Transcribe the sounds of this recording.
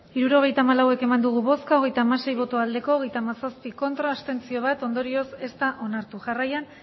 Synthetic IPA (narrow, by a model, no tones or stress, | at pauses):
iɾuɾo̞ɣ̞e̞jt̪aːmalawe̞ke̞mand̪uɣ̞uβo̞skaoɣ̞e̞jt̪aːmase̞jβo̞t̪oald̪e̞ko̞ːɣ̞e̞jt̪aːmasaspiko̞nt̪ɾaːst̪e̞nt͡sio̞β̞at̪o̞nd̪o̞ɾio̞se̞st̪aʔo̞naɾt̪uʝarajan